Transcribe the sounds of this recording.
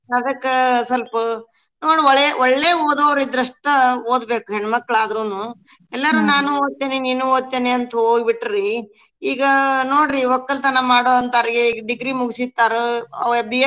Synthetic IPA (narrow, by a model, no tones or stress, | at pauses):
nɐd̪ɐkːesɐlpɐ | noːɽɔɭːeʔɔɭːeːoːd̪oːʋɾid̪ɾɐʂʈɐoːd̪beːkuɦeɳmɐkːɐɭaːd̪ɾuːnuː | ɛlːɐɾunaːnuoːd̪̚t̪eːneniːnuoːd̪̚t̪eːneɐnt̪uoːɡbiʈːɾi | iːɡɐnoːɽɾiʋɔkːɐlt̪ɐnɐmaːɽoːɐnt̪ɐɾiɡeɖiɡɾimuɡisit̪ːaːɾeɐ̰bi